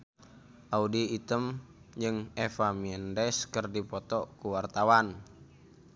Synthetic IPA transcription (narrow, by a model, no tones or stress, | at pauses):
ʔaudiːt̪əm | d͡ʒɨŋɛfamiɛndɛskərdipɔt̪ɔkuwart̪awan